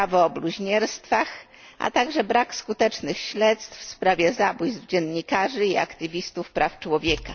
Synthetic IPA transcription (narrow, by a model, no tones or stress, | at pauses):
avɔːbluʑɲɛɾst̪fax | a̰t̪aɡʐɛbɾakskut̪ɛt͡ʂnɘxɕlɛt̪st̪fspɾavʲjɛzabujzvd͡ʑɛnɲikaʐɘia̰kt̪ɘvʲist̪ufpɾaft͡ʂwɔvʲjɛka